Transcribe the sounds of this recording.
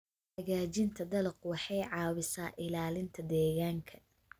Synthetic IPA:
ħɐɣaːt͡ʃɪnt̪ʰɐd̪ɐlɐqwɑħɑjʕɑːβɪsaːʔɪlaːlɪnt̪ʰɐd̪ɛːɣaːŋkʰɐ

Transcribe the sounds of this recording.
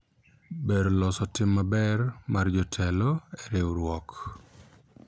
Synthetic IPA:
beɾlɔsɔtɪmːabɛrmard͡ʒɔtʰɛlɔɛɾewɾwɔk

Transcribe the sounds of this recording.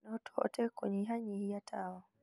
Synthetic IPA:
nɔtʰɔ̰tʰɛkwɛ̰ɲɛɦaɲihijatʰawa

